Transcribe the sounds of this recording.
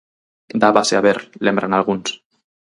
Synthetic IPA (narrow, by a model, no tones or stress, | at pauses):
d̪aβaseaβeɾlembɾanalˠɣuns